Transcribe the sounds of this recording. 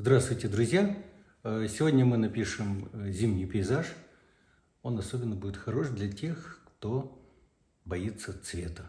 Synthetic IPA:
zd̪ɾast̪vʊjtʲɪd̪ɾʊzʲja | əsʲɪvʲodʲnʲəmɨnɐpʲiʂɨmzʲimnʲɪjpʲɪɪzaʂ | o̞nɐsobʲɪnːəbudʲɪt̪xɐɾo̞ʂd̪lʲɐtʲe̞xkt̪o̞ | bɐit̪sːət̪svʲe̞t̪ə

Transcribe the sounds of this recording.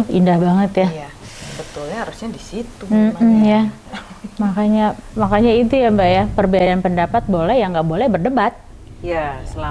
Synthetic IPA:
ḭndahbaŋət̪ja | bət̪ulɲaaɾusɲadisit̪um̩m̩ja | makaɲamakaɲait̪̬ujambaʔjapərbeaɾanpəndapat̪̚bolɛhjaŋɡaʔbolɛhbərdəmbat̪̚ | jasə

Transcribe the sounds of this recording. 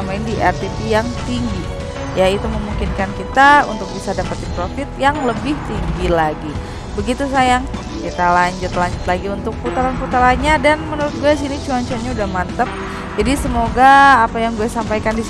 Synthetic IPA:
amaɪndiʔɛrt̪epijaŋt̪iŋɡi | jait̪uməmuŋkɪnkankit̪aṵnt̪ʊk̚bisadapat̪̚dipɾofɪt̪̚jaŋləbɪht̪iŋɡilaɡi | bəɡit̪us̬ajaŋ | kit̪alaɲd͡ʒʊt̪laɲd͡ʒʊt̪laɡiunt̪ʊk̚put̪aɾanput̪aɾaɲadanmənuɾʊt̪̚ɡuais̬init͡ʃuant͡ʃuanɲaudahmant̪əp̚ | d͡ʒadisəmoɡaːpajaŋɡuasampajkandis

